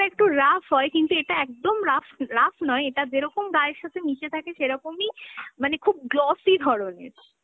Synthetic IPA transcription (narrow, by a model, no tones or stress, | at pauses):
ek̚ʈuɾafʰɦɔekint̪ueʈaɛk̚d̪omɾafʰɾafʰnɔeeʈad͡ʑeɾɔkomɡaɾeɾʃat̪ʰenit͡ɕet̪ʰakeʃeɾɔkomimanekʰub̚ɡlɔsid̪ʱɔɽonḛɾ